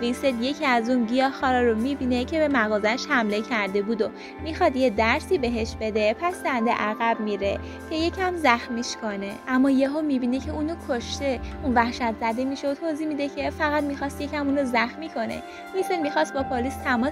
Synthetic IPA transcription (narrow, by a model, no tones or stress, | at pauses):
vinsed̪je̞cʰiæzunɟijɒxɒɾɒɾomibiːne̞cʰe̞be̞mæɣɒːzæʃhæmle̞cʰæɾd̪e̞bud̪o | mixɒd̪je̞d̪æɾsiːbe̞ɦeʃbe̞d̪e̞pʰæsd̪ænd̪ḛʔæɣæbmiːɾe̞̰ | cʰe̞je̞cʰæmzæxmiːʃkʰone̞ʔæmːɒːjeɦomibiːne̞cʰe̞uːnokʰoʃt̪e̞unvæhʃæt̪ʰzæd̪e̞miʃeot̪ʰoːziːmid̪ecʰe̞fæɣæt̪mixɒst̪je̞cʰæmuːnozæxmiːkʰo̞nḛ | vinselmixɒst̪̚bɒpʰoliːst̪ʰæmɒ